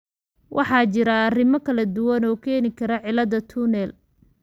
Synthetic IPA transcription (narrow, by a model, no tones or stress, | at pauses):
wʔɑħɑːt͡ʃɪɾɐːrɪmɔkʰɐlɐd̪ʊwɐnɔːkʰɛːnɪkʰɐɾɐʕɪlɐðɐt̪ʰʊnɛl